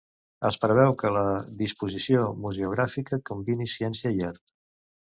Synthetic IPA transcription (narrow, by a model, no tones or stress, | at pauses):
əspɾəβ̞ɛwkələðispuzisiomuzeuɣ̞ɾafikəkumbinisiɛnsiəiɛɾt̪